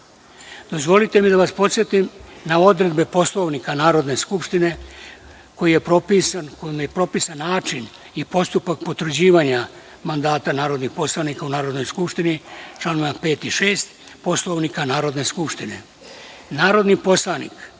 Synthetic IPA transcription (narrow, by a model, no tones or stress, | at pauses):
d̪o̞zʋo̞lit̪e̞mid̪aʋaspo̞t̪sje̞t̪imnao̞d̪ɾe̞d̪bepo̞slˠo̞ʋnikanaːɾo̞d̪ne̞skupʃt̪ine̞ | ko̞jije̞pɾo̞pisankomepɾo̞pisanːaːt͡ʃin | ipo̞st̪upak̚po̞t̪ʋɾ̩d͡ʑiːʋaɲa | mand̪aːt̪anaːɾo̞d̪nixpo̞slˠanikaunaːɾo̞d̪no̞jskupʂt̪init͡ʃlˠanoʋape̞ːt̪iʃeːst̪ | po̞slo̞ʋnikanaːɾo̞d̪ne̞skupʃt̪ine̞̰ | naːɾo̞d̪nipo̞slˠanḭk